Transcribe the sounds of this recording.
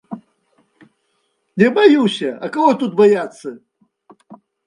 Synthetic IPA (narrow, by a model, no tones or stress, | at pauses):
nʲɛbajusʲɐɐkɐɣɔt̪ut̪̚bajat̪sːɐ